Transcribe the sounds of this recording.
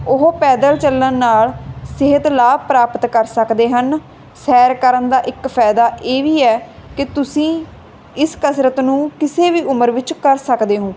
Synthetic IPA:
ʊɦopɛːd̪əlt͡ʃəlːənːaːɭsɪɦət̪laːpɾaːpət̪kəɾsəkd̪eːɦən | sɛːɾkəɾənd̪aːʔɪkpʰɛːd̪aːʔeːʋiːɛːkɪt̪ʊsĩː | ɪskəsɾət̪nũːkɪseːʋiːʊməɾʋɪt͡ʃkəɾsəkd̪eːɦõː

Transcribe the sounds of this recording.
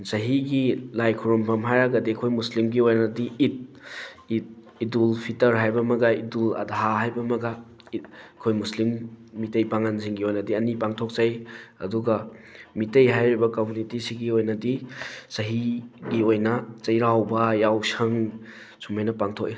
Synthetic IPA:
sɐɦiɡilajkʰuɾumpʰɐmɦajɾaɡɐdikʰojmuslimɡiojnɐdiʔːt̚it̚ | idulpʰitɐɾɦajbɐmɐɡaidulɐ̰daɦaɦajbɐmɐɡa | kʰojmuslimːitejpaŋanziŋɡiojnɐdiɐnipaŋtʰok̚zajɐ̰duɡɐmitejɦajɾibɐkomunitisiɡiojnɐdisɐɦiɡiojnɐt͡ʃɐjɾawbɐjawsɐŋ | sumajnɐpaŋtʰok̚i

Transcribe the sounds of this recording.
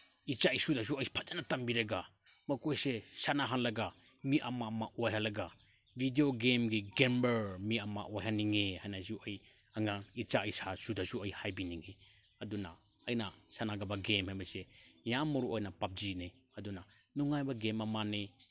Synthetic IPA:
it͡ʃaisudas̬uɐjpʰad͡ʒanatambiɾɐɡamɐkojsesanaɦanlɐɡa | miʔamamaʔojɦalɐɡa | bʱidioɡemɡiɡembeɾmiama̰ʔojhaniŋehajnasuʔɐj | aŋait͡ʃaisasudasuɐjhajbiniŋe | ɐduna̰ | ɐjnasanaɡabaɡemhajbɐsejamːɔɾuʔojnapap̚d͡ʒine | ɐduna | nuŋajbaɡemɐmane

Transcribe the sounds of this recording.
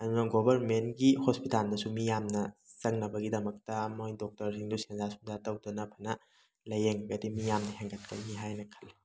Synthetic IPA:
ɐdunaɡobʱɐɾmenɡihospitalmɐsumijamnɐsɐŋnɐbɐɡidɐmɐk̚tɐmojdok̚tɐɾsiŋdusenzasu̥ŋdatɐwdɐnɐpʰɐnɐ | lɐjeŋɐɡɐdimijamnɐheŋɡɐt̚kɐjniɦajnɐkʰɐlːi

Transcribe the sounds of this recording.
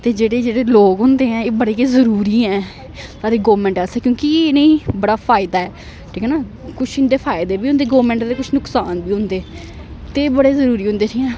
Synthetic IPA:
t̪eːd͡ʒeːɽeːd͡ʒeːɽeːloːkɦʊ̃nd̪eːɦɛ̃ːeːbəɽeːkezəɾuːɾiːɛ̃ː | saːɾeːɡoːʋmɛ̃ːɳʈɛsɛːkjõːkienəĩːbəɽaːpʰaːɪd̪aːɛː | ʈʰiːkɛːnaː | kʊt͡ʃʰɪ̃nd̪eːpʰaːɪd̪eːbiːʊ̃nd̪eːɡoːʋmɛ̃ːɳʈd̪eːkʊt͡ʃʰnʊksaːnbiːɦʊ̃nd̪eː | t̪eːbəɽeːzəɾuːɾiːɦʊ̃nd̪eːsiːɛ̃ː

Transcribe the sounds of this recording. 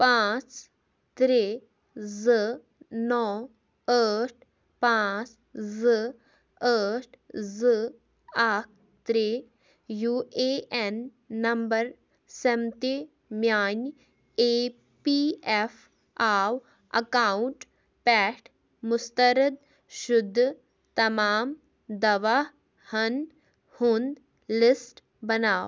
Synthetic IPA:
pãːt͡s | t̪ɾeː | zə | nɔ | əːʈʰ | pãːt͡s | zə | əʈʰzə | aːk̚ʰ | t̪ɾeː | juːʔeʔenː | ɐmbəɾ | sɐmt̪e | mjaːn | eː | pief | aːw | ɐ̰kaːɳʈ | pɛːʈʰ | mʊst̪ɐɾəd̪̚ | ʃʊd̪ʱː | t̪ɐmaːm | d̪ɐʋa | hɐn | hund̪ | lɪsʈ | bɐnaːw

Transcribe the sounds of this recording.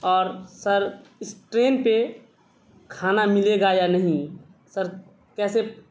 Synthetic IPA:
ɔːɾsəɾɪsʈɾeːnpe | kʰaːnamɪleɡajanəɦĩ | səɾ | kɛːse

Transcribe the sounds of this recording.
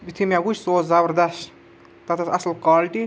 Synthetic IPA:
bit̪ʰimʲaɡut͡ʃʰsoːt͡szɐbɾd̪ɐʃ | t̪ɐt̪ɐsɐslkaːlʈi

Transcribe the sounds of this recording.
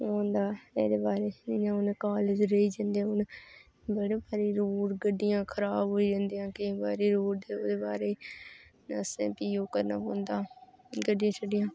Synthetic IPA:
õːnd̪aːḛːd̪eːbaːɾeːɪjãːʊnkaːlɪd͡ʒɾəiːd͡ʒãːnd̪eãːʊn | bəɽeːbaːɾiːɾoːɾɡəɖɪjãːkʰəɾaːbɦoːiːd͡ʒãːnd̪ijãːkɪibaːɾeːɾoːɾd̪eoːd̪eːbaːɾeː | əsḛ̃ːpiːoːkəɾnaːbõːnd̪aːɡəɖːɪjãːt͡ʃʰəɖɪjãː

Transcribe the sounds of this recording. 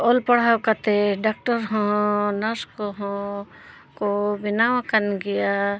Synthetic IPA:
oːlpɐɽ̤aːwkat̪eɖaːk̚ʈəɾɦõnɐskoɦõ | kobɪnaʋãkɐnɡɪja

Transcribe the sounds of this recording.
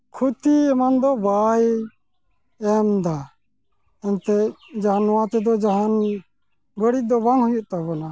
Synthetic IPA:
kʰut̪iɛmand̪ɔbaj | ɛmd̪a | ɛnt̪ɛd͡ʒaɦanːɔwãt̪ɛd̪ɔd͡ʒaɦan | bəɽid̪ɔbaŋɦujuʔt̪abɔna

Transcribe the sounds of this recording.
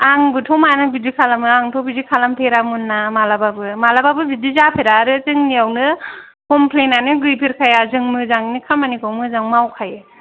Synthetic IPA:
aŋbɯtʰɔmanɯbidikʰalamɯaŋtʰɔbidikʰalamtʰeɾamunːamalababɯmalababɯbidizapʰeɾaːɾɯt͡ʃɯŋniawnɯ | kɔmpʰlenanɯɡɯjpʰiɾkʰajazɯŋmɯzaŋnikʰamanikʰɯwmɯzaŋmawkʰaj

